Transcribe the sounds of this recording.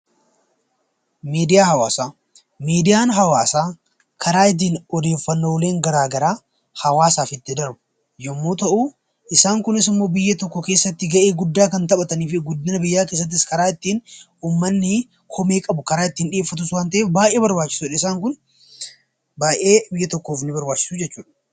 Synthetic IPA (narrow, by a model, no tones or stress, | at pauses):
miːd̪ɪjaːhɐwaːsaː | miːd̪ɪjaːnɦɐwaːsaː | kʰɐɾaːɪt̪̬ːiːnɔd̪e̞ːfːɐnːoːwleːŋɡɐɾaːɡɐɾaː | hɐwaːsaːfɪt̪ːɪd̪ɐɾbʊ | jɔmːoːt̪ɐʔuː | ʔɪsaːŋkʊnɪs̬ɪmːo̞ːbɪjːɐt̪ɔkːɔke̞ːsːɐt̪ːɪɡɐʔe̞ːɡʊd̪ːaːkɐnt̪ɐɓɐt̪ɐniːfɪɡʊd̪ːɐnɐbɪjːaːke̞ːs̬ːɐt̪̬ːɪskɐɾaːɪt̪ːiːn | uːmːɐnːɪ | kʰɔmeːkʼɐbʊkɐɾaːɪt̪ːiːnᶑɪeːfːɐt̪ʊswaːnt̪ɐʔeːfbaːʔeːbɐɾbaːt͡ʃːɪ̥suːᶑɐɪsaːŋkʊn | baːʔe̞ːbɪjːɐt̪ɔkːoːfnɪbɐɾbaːt͡ʃːɪ̥suːd͡ʒɛt͡ʃːuːᶑɐ̥